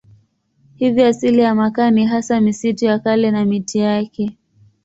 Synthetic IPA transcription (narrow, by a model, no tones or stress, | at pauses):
hiviasilijamakaniɦasamisitujakalɛnamitijakɛ